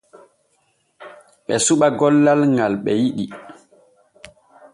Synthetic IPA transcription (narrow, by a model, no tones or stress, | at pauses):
ɓɛsuɓaɡɔlːalŋɡalɓɛjiɗi